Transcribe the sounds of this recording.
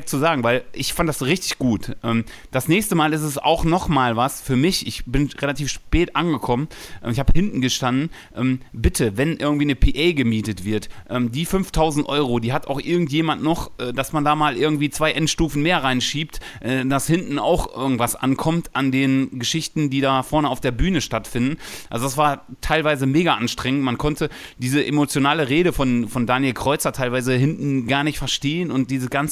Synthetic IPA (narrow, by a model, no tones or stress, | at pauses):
t͡suzaːɡŋ̩vaɪlʔɪçfantd̥asʁɪçtɪ̥çɡ̥uːtʔɛːm | d̥asnɛːçstəmaːlɪstɛsa̰ʊxnɔχmaːlvasfyːɐmɪçɪ̰çb̥ɪnʁelatʰiːfʃpɛːtʔanɡəkʰɔmənʔɛ̰ːmɪçhaːbəhɪntn̩ɡəʃtandn̩ʔɛːmbɪtʰəvɛnʔɪɐɡŋ̩tv̥iːnəpʰiʔɛɪɡəmiːtətv̥ɪɐtʔɛːmdiːfʏnftʰaʊzn̩tʔɔʏʁodiːɦata̰ʊxʔɪɐɡŋ̩tjeːmantnɔχʔɛːdasmandaːmaːlʔɪɐɡŋ̩tv̥iːt͡sv̥aɪʔɛntʃtuːfn̩meːɐʁaɪnʃiːp̚tʔɛːdashɪntn̩a̰ʊxʔɪ̰ɐɡŋ̩tv̥asʔa̰nkʰɔmtʔandeːnɡəʃɪçtn̩diːdaːfɔɐnəaʊfd̥eːɐbyːnəʃtatfɪndn̩ʔalzodasv̥aːɐtʰaɪlvaɪzəmeːɡaʔanʃtʁ̥ɛŋəntmankʰɔntʰəd̥iːzəʔemot͡sjonaːləʁeːɾəfɔnfɔndaːnjelkʁ̥ɔʏt͡sɐtʰaɪlvaɪzəhɪntn̩ɡaːɐnɪçtfɛɐʃteːənʊnt̚d̥iːzəɡant͡s